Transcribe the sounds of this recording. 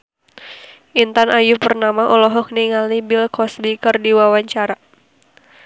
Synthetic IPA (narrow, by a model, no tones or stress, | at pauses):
ʔint̪anʔajupərnamaʔɔlɔɦɔk̚niŋalnibɪlkɔsbikərdiwawaɲt͡ʃaɾa